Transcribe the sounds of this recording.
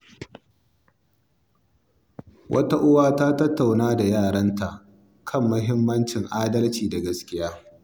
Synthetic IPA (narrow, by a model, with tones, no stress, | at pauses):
wʔɐ̰˦ta˦ʔʊ˦waː˦taː˦tɐ˦tːa˨wnaː˦da˨jaː˦˨ɽɐ˦nta˨ʔ | kʰɐ˦˨mːʊ˦ɦɪ˦mːɐ˦nt͡ʃɪ˨ŋʔaː˦dɐ˦lt͡ʃiː˨da˨ɡɐ˦skʲɪ˦jaː˦